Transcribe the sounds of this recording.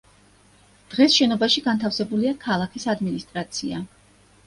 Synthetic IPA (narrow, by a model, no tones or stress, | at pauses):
d̪̥ʁɛsʃɛnɔbaʃiɡant̪ʰafsɛbuliakʰalˠakʰisad̪minist̪ʼɾat̪sʰia